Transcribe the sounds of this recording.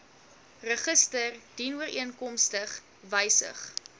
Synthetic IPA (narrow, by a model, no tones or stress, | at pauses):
rəχəstərd̥inuəriənkɔmstəχ | vəjsə̰χ